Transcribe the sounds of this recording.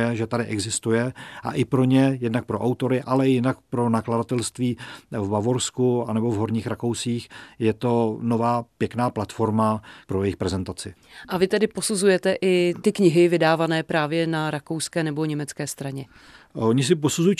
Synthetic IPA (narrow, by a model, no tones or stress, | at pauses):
jɛʒɛt̪adɪʔɛɡzɪst̪ujɛʔa̰ʔɪpɾo̞ɲɛjɛdnak̚pɾo̞ʔawt̪o̞ɾɪʔalɛjɪnak̚pɾo̞nakladat̪ɛlst̪viːvbavo̞ɾskuanɛbo̞vɦo̞ɾɲiːxɾako̞wsiːxjɛt̪o̞no̞vaːpjɛknaːplat̪fo̞ɾmapɾo̞jɛjɪxpɾɛzɛnt̪at͡sɪ | ʔavɪt̪ɛdɪpo̞suzujɛt̪ɛʔɪt̪ɪkɲɪɦɪvɪdaːvanɛːpɾaːvjɛnaɾako̞wskɛːnɛbo̞ɲɛmɛt͡skɛːst̪ɾaɲɛ | oɲɪs̬ɪposuzuji